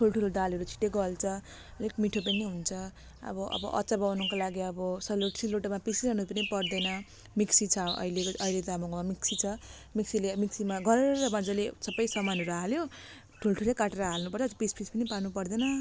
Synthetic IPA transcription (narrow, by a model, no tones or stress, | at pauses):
ʈʰulʈʰulod̪aleɾut͡sʰi̥ʈeɡʌlt͡sʰʌ | lekmiʈʰop̬ʌniɦunt͡sʰʌ | ʌ̰bʌʔʌ̰bʌ̰ʔʌ̰t͡sabawnukalaɡiʌbʌsʌloʈsiloʈmapisiɾʌnupʌnipʌrd̪ʌnʌ | miksit͡sʰʌʌ̰ileʌiled̪amokmamiksit͡sʰʌ | miksilemiksimaɡʌɾɾʌband͡zalesʌbʌjsʌmanɦʌɾuɦaljo | ʈʰulʈʰulekaʈeɾʌɦalnupʌrt͡sʰʌpespʰispʌnipanupʌrd̪ʌnʌ